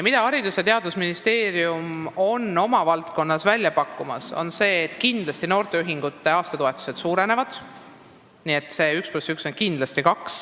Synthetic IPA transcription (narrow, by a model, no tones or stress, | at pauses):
jɑmid̪ɑɑɾid̪uset̪e̞ɑd̪usminist̪e̞ːɾiumo̞no̞mɑvɑlt̪ko̞nːɑsvælʲjɑpɑkːˑumɑso̞̰nse̞ːt̪ːˑkind̪̥lɑst̪ino̞ːrt̪e̞yɦiŋɡ̥ut̪ːe̞ɑːst̪ɑt̪oe̞t̪ːˑu̥se̞d̪suːɾe̞ne̞vɑd̪̥ | niːe̞t̪ːˑse̞ːyksplusykso̞nkind̪lɑst̪ikɑks